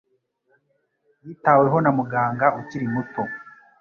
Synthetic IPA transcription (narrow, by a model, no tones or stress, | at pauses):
jiːtawe̞ɦo̞namuɡaːŋɡaʔuciɾimuto̞